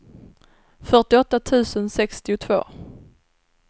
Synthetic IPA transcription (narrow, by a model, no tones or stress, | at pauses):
fœʈɪɔt̪ːat̪ʰʉ̟ːsənsɛkst̪ɪʊt̪ʰvo̰ː